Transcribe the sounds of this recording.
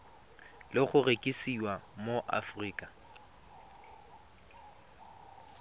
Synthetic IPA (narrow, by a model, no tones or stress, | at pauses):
lɪχʊrekʼisiwamoʔa̰friːkʼa